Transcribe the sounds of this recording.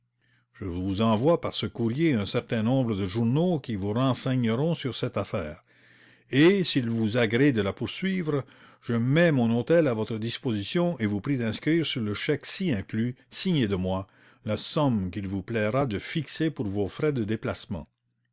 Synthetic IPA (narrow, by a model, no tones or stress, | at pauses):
ʒ̥əvuzɑ̃vwapaʁsəkuʁjeɛ̃sɛʁt̪ɛ̃nɔ̃ːbʁəd̪əʒuʁnokʲivuʁɑ̃sɛɲəʁɔ̃syʁsɛt̪afɛːʁ | esilvuzaɡʁɛd̪əlapuʁsɥiːvʁ | ʒ̥əmɛmɔ̃not̪ɛlavɔt̪ɾəd̪ispozisjɔ̃ʔevupɾid̪ɛ̃skɾiːʁsyʁləʃɛksiɛ̃klysiɲed̪əmwa | lasɔmkilvuplɛʁad̪əfiksepuʁvofʁɛd̪əd̪eplasmɑ̰̃